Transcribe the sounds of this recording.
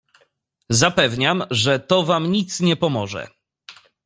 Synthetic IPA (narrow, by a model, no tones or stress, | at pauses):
zapɛvɲamʐɛt̪ɔvamɲit̪sɲɛpɔmɔʐɛ̰